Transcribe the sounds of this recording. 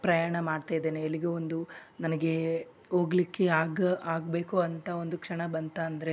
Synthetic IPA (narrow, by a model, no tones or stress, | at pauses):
pɾɐjaːɳɐmaːɖt̪aːjd̪eːneɐlːiɡeond̪unɐnɐɡe̞o̞ːɡlikːe̞aːɡaːɡbe̞ːkuɐnt̪ʰao̞nd̪ukʂɐɳɐbɐnt̪aːnd̪ɐɾe